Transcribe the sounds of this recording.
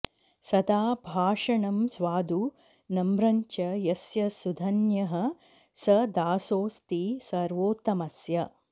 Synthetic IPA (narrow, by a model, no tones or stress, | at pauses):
sɐd̪aːbʱaːʂɐɳɐmsʋaːd̪u | nɐmɾɐɲt͡ʃɐjɐsjɐsud̪ʱɐnjɐɦɐ | sɐd̪aːsoːst̪isɐɾʋoːt̪ɐmɐsjɐ